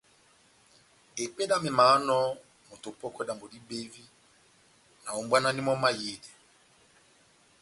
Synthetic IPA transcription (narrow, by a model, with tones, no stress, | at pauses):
e˨pe˦da˦me˨ma˨˦nɔ˦ | mo˨to˨pɔ˦kɔ˦da˨mbo˨di˦be˦vi˦ | na˨o˨mbwa˦na˦ni˦mɔ˦ma˦je˨de˨